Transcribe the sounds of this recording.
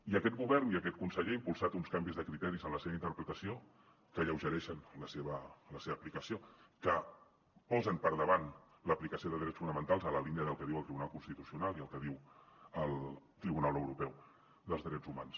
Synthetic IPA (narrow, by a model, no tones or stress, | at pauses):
iəkɛt̪̚ɡuβɛrniəkɛt̪̚kunsəʎeimpulˠsat̪unskambizðəkɾit̪ɛɾizənləseβəint̪əɾpɾət̪əsio | kəʎəwʒəɾɛʃənləseβələseβəːplikəsiokə | pɔzənpəɾðəβan | ləplikəsioðəðɾɛt͡sfunəmənt̪alˠzələliniəðəlˠkəðiwəlˠt̪ɾiβunalˠkunst̪it̪usiunalˠiəlˠkəðiwəlˠt̪ɾiβunalˠəwɾupɛw | ðəlˠzðɾɛd͡zumans